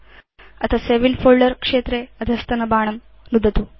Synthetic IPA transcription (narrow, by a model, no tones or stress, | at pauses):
ɐt̪ʰaseʋilfoːɭɖəɾkʂeːt̪ɾeɐd̪ʱɐst̪ɐnɐbaːɳ̃ɐm | nud̪ʱət̪u